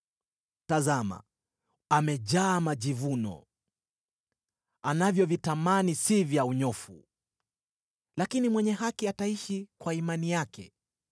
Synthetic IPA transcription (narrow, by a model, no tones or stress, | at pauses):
tazama̰ | amɛʄaːmaʄivunɔ̰ | anavjɔvitamanisivjauɲɔfṵ | lakinimwɛɲɛɦakiataiʃikwaimanijakɛ̰